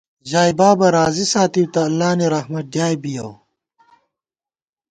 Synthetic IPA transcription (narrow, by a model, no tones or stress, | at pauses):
ʑaːjbaːbɐɾaːzisaːt̪iwt̪ɐːlːaːniɾɐhmɐɖ̪jaːjbijɐw